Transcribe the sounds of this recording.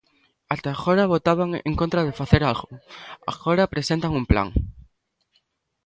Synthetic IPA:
at̪aɣoɾaβot̪aβ̞aŋḛ̃ŋkont̪ɾaðefaθeɾalɣʊ̰a̰xoɾapɾesent̪aŋumpla̰ŋ

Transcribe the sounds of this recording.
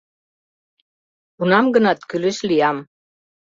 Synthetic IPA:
unɑmɡə̆nɑt̪kylɘ̆ʃlijɑm

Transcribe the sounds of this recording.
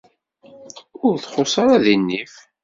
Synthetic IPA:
ʊɾθχosˤɑɾaðinːif

